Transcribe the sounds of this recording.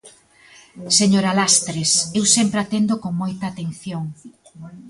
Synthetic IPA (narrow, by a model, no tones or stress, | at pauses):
seɲoɾalast̪ɾesewsempɾeat̪end̪okoŋmojt̪aːt̪enθjoŋ